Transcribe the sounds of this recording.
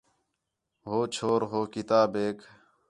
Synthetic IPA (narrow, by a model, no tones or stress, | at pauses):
ɦoːt͡ɕʰoːɾɦoːkit̪aːbeːk